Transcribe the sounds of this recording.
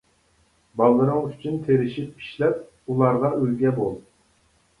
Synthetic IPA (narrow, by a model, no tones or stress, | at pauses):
bɑlˠːɨɾɨŋyt͡ʃʰynt̪ʰeɾɪʃipːi̥ʃlɛp̚ | ulˠɑɾʁɑʔølɡʲɛbolˠ